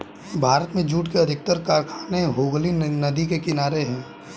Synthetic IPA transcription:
bʱaːɾət̪mẽd͡ʒuːʈkeɐd̪ʱɪk̚t̪əɾkaːɾkʰaːneɦoːɡlinɐd̪ikekɪnaːɾeɦɛ̃ː

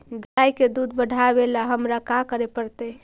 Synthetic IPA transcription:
ɡajked̪ud̪bəɽʱabelaɦəmɾakakəɾepəɾt̪əe

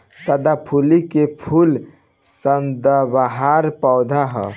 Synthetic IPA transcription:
səd̪apʰulikepʰul | sənd̪əbaɦaɾpəʊd̪ʱaɦə̰

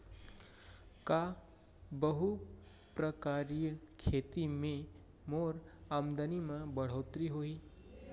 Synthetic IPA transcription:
ka | bəɦu | pɾəkaːɾijəkʰeːt̪imẽ | moːɾaːmd̪ənimə̃bəɽ̤oːt̪ɾiɦoiː

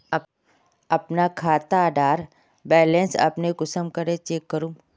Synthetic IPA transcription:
ɐpnakʰaːt̪aɖaːɾ | bɛːlẽnsɐ̰pneɡʊsəmkəɾet͡ʃeːkːəɾũː

